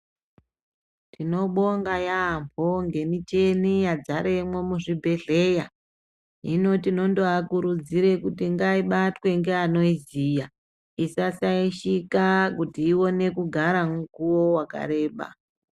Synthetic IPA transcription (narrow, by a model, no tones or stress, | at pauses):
tino̞ɓo̞ŋɡajaːmbʱoŋɡe̞mit͡ʃe̞nijad͡zaɾe̞mwo̞muʐibʱe̞ɮe̞ja | ino̞tino̞ndoakuɾud͡ziɾe̞kutiŋɡaiɓatwe̞ŋɡe̞ano̞iziːja | isasaiʃikakutiːwo̞ne̞kuɡʱaɾamukuwo̞waka̰ɾe̞ːɓa̰